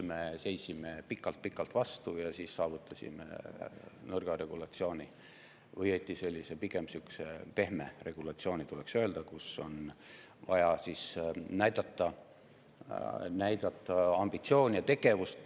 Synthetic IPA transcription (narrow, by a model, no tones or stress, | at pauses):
me̞se̞jsime̞pikːˑɑlt̪̚pikːˑɑlt̪vɑst̪ujɑsiːsːɑːvut̪ːˑɑsḭmḛ | nɤrɡ̥ɑɾe̞ɡ̥ulɑt̪sio̞ːnʲi | vɤjet̪ːˑise̞lʲːisepiɡ̥e̞msyksepe̞hmere̞ɡ̥ulɑt̪sio̞ːnʲit̪uleksø̞e̞ld̪̥ɑkuso̞̰n | vɑ̰jɑsisnæjd̪̥ɑt̪ˑːɑ | næjd̪̥ɑt̪ːˑɑɑmb̥it̪sio̞ːnʲjɑt̪e̞ɡ̥e̞vust̪